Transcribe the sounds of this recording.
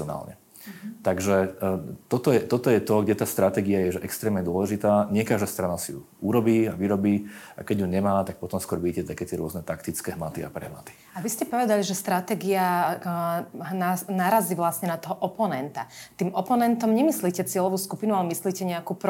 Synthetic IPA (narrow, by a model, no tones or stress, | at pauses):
ɔna̰ːlɲɛ̰ | t̪aɡʒɛt̪ɔt̪ɔjɛt̪ɔt̪ɔjɛt̪ɔɡɟɛt̪aːst̪ɾat̪ɛːɡiajɛʒɛʔɛkst̪ɾɛːmɲɛd̪ʊɔlɛʒit̪aːɲɪɛkaːʒd̪ast̪ɾanasijṵ | uɾɔbiːaʋiɾɔbiːa̰kɛɟjuɲɛmaːt̪ak̚pɔt̪ɔmskʊɔɾʋicɛzajkɛt̪ɪɛɾʊɔznɛt̪akt̪it͡skɛɦmat̪ia̰pɾɛ̰ɦma̰t̪i̥ | aʋiscɛpɔʋɛd̪aliʒɛst̪ɾat̪ɛːɡia | nanaːɾaziʋlasɲɛnat̪ɔɦɔʔɔpɔnɛnt̪at̪iːmɔpɔnɛnt̪ɔmɲɛmisliːcɛt͡sɪɛlɔʋuːskupinualɛmisliːcɛɲɛakuːpɾ